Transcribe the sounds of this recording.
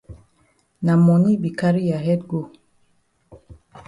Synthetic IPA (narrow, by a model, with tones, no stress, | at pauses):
na˨mɔ˨ni˦bi˨ka˦ɾi˦ja˨ɦɛ˦t̚ɡo˦˨